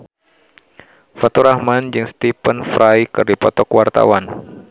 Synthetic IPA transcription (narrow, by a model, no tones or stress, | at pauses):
fat̪uɾahmand͡ʒɨŋst̪ipənfɾʔajkɨrdipɔt̪ɔkwart̪a̰wan